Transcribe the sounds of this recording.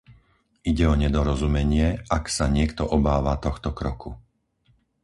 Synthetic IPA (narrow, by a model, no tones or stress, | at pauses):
iɟɛɔɲɛd̪ɔɾɔzumɛɲɪɛaksaɲɪɛkt̪ɔʔɔbaːʋat̪ɔxt̪ɔkɾɔku